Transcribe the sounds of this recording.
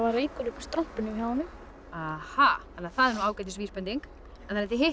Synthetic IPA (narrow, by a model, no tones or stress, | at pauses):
vaɾejkʏɾʏpst̪ɾɔm̥pɪnːʏçaːwanʏm | ahaθanɪaθaðɛɾnuaːwkajt̪̬ɪsviːspɛnt̪iŋk | ɛnθaɾɛft̪ɪɦɪh